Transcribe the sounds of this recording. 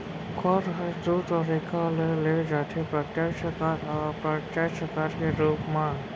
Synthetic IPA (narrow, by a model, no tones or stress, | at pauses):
kʰɔɾɦəd̪uːt̪ɔɾekʰaleled͡ʒaːt̪ʰepɾət̪jaʃəkaɾɔpɾət̪aʃəkaːɾkeɾuːpmã